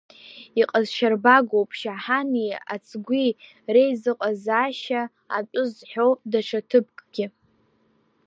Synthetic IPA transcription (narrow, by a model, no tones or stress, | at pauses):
iqʼazʃarbaɡʷowpʼʃaħania̰t͡sʰʼɡʷi | rejzɨqʼazaːʃaː | pʷʼʊzħᶣowdaʈ͡ʂʷʰatʰɨp̚ʰʼkʼɡʲɪ